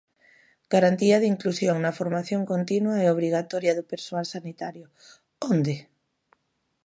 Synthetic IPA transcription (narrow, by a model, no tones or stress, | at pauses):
ɡ̥aɾant̪iɐðiŋklusjoŋnɐfoɾmaθjoŋkont̪inwaɛoβ̞ɾiɣ̞at̪ɔɾjaðʊpeɾsoalsanit̪aɾjʊ | ond̪ɪ